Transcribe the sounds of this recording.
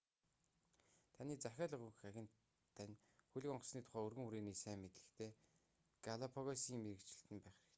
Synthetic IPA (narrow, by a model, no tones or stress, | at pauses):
t̪ʰaniːt͡sæxʲaːɮə̆ʁŭxaxʲɪ̆n | t̪ʰːænʲ | xuɮʲɘ̆kɔɴɢɞ̆sniːt̪ʰʊ̥χæːɵrɣɘ̆ŋuɾeːniːsæːmmet̪ɘ̥̆xt̪ʰeː | ɡ̥aɮapʰɔɣasiːŋmeɾɘ̆kt͡ɕɪ̆ɬt̪ɘ̆mpæːχrɘ̆kt̪ʰ